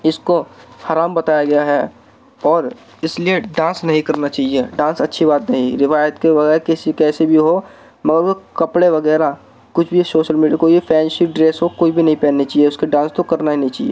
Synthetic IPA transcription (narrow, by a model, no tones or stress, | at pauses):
ɪskohaːɾaːmbɐt̪aːjaɡɐjaɦɛː | ɔːɾ | ɪslieɖãːnsnɐɦĩkɐɾnat͡ʃaːɦieɖãːnsɐtːʃʰibaːt̪nɐɦĩɾɪʋaːjət̪keʋɐɡɛːɾkɪsikɛːsebʱiɦo | mɐɡəɾkɐpɽeʋɐɡɛːɾa | kʊt͡ʃʰbʱisoːʃəlmiːɖijakoːibipʰɛːnsɪɖɾeːsɦokoːibʱinɐɦĩpɛ̃ːnnːet͡ʃaːieʊskeɖãːnst̪okɐɾnaɦinɐɦĩt͡ʃaːɦiḛ